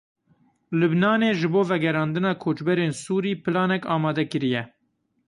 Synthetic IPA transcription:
lɨbnɑːneːʒɨboːvɛɡɛɾɑːnd̪ɨnɑːkʰoːt͡ʃbɛɾeːnsuːɾiːpɨlɑːnɛkɑːmɑːd̪ɛkɨɾijɛ

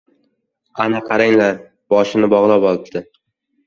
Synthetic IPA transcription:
anaqʰɑɾaŋlaɾ | b̥ɒʃɪnɪbɒʁlˠapɒlˠɪpt̪ʰɪ

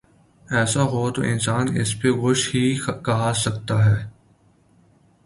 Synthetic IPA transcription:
ɛːsaɦot̪oʔɪ̰̃nsaːnɪ̰speɣʊʃhikɐɦasɐk̚t̪aɦɛː

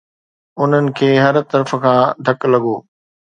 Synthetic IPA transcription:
ʊn̤ənɪ̆kʰeːɦɐɾt̪ɐɾf̆kʰãːd̪ʱɐklɐɠoː

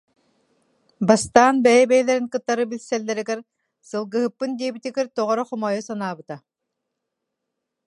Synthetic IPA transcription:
bast̪aːnbɛjɛbɛjɛlɛɾinkɯt̪ːaɾɯbilʲsɛlːɛɾiɡɛɾ | sɯlˠɡɯɦɯpːɯnd̪iɛbit̪iɡɛɾt̪ɔʁɔɾɔχɔmɔjɔsanaːbɯt̪a

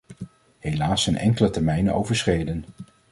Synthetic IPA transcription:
hejlaːsənɛ̰ŋkələtɛɹmɛjno̰wvəɹsrejdən

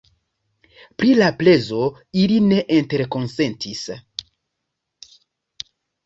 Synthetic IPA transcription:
pɾilaple̞zo̞ | iline̞ʔente̞ɾko̞nse̞ntis

